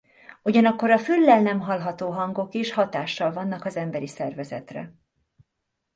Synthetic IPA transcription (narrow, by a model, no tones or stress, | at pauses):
uɟɒnɒkːo̞ɾɒfylːɛlnɛmɦɒlɦɒt̪oːɦɒŋɡo̞keːʃhɒt̪aːʃːɒlvɒnːɒkɒzɛmbɛɾisɛrvɛzɛ̰t̪rɛ̰